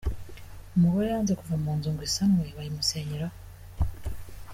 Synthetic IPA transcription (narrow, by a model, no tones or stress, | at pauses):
umuɣoɾeaːnzekuvamuːnzuːŋɡisamwe̞βajimuseːɲiɾa